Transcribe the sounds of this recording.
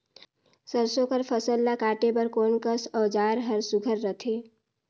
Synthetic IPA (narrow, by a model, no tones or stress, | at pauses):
səɾsõkəɾpʰəsəlːakaːʈepəɾkoːnkəsɔːd͡ʒaːɾɦəɾsʊɡʱəɾːət̪ʰeː